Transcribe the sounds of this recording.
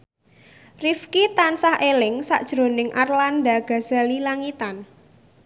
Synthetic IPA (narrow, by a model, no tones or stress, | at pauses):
rifkit̪ansahʔelɪŋsa̰ʔd̥ʒ̥ɾo̤nɪŋʔarlandaɡ̥a̤z̥alilaŋit̪an